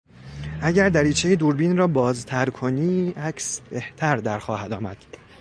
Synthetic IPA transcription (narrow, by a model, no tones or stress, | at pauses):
ʔæɟæɾd̪æɾiːt͡ʃʰejed̪uːɾbiːnrɒːbɒːzt̪ʰæɾkʰoniːæcʰsbeht̪ʰæɾd̪æɾxɒːhæd̪ɒːmæ̰d̪̥